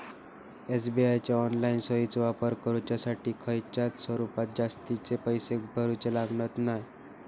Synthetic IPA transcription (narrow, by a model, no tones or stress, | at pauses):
es̬biajt͡ɕjaɔnlainsəit͡sʋapəɾkəɾut͡ɕjasaʈiːkʰəjt͡ɕat̪sʋəɾupat̪̚d͡zast̪it͡sepəjsek̚bʱəɾut͡selaɡɳət̪naj